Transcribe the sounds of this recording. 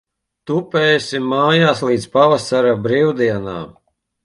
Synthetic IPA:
t̪upɛːjsʲimːaːjaːslˠiːd̪spavasaɾabɾiwd̪iɛna̰ː

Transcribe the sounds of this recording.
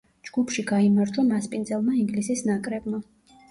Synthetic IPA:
d͡ʒɡ̥upʰʃiɡaimaɾd͡ʒamaspʼind̪zɛlˠmaiŋɡlisisnakʼɾɛbma

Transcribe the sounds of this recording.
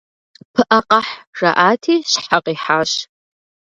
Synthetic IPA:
pʰɨʔɐqɐħrɐʔaːtʰiːɕħaqiːħaːɕ

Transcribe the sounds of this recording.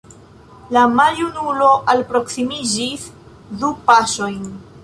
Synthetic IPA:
lamaljunulo̞ʔalpɾo̞ksimid͡ʒis | dupaʃo̞jn

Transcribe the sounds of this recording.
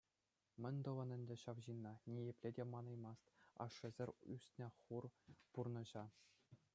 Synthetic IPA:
mʲɘ̆nʲd̪ɤ̆ʋɤ̆nɘ̆nʲdʲɘ̆ɕɑʋʑinːɑnʲijĕpʲlʲedʲemɑnɑjmɑst̪ɑ̰ʂːɘ̆zʲɘ̆rʲysʲt̪ʲnʲeχurpurnɤ̆ʑɑ

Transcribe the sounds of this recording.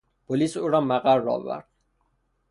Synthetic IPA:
b̥ɔlisuɾamaqʼaɾːɔ̰va̰ɾ

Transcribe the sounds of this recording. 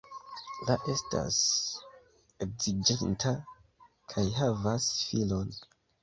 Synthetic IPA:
laʔe̞stʰa̰s | e̞k̚z̥id͡ʒentʰa | kʰajɦavasfilo̞n

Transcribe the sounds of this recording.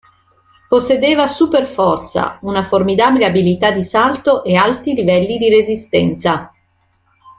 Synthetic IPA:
posːed̪eːvasuperfɔrt̪sa̰unaformid̪aːbileabilit̪ad̪ːisalt̪oʔealt̪ɾilivɛlːid̪iɾezist̪ɛnt̪sa

